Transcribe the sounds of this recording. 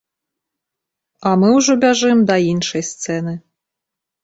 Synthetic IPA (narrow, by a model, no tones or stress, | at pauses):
amɨuʐɔbʲaʐɨmd̪ɐinʃɐjst̪sɛnɨ